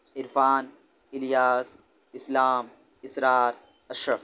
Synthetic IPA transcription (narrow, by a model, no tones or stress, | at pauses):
ɪɾfaːn | ɪljaːs | ɪslaːm | ɪsɾaːɾ | ɐʃɾɐf